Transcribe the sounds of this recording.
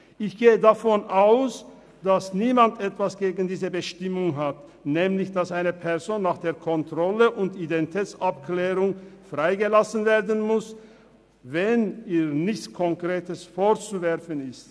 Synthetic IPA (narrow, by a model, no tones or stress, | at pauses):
ʔɪçɡ̥eːədafɔnʔaʊs | d̥asniːmantʔɛtv̥asɡ̥eːɡn̩diːzəbəʃtɪmʊŋɦat | nɛːmlɪçd̥asʔaɪnəpʰɛɐzoːnːaːχd̥eːɐkʰɔntʁ̥ɔləʔʊntidɛnitʰɛːt͡sapklɛːʁʊŋfʁ̥aɪɡəlasənveːɐdən̩mʊs | vɛniːʁnɪçt͡skʰɔŋkʁ̥eːtəsfoɐt͡suvɛʁfənɪst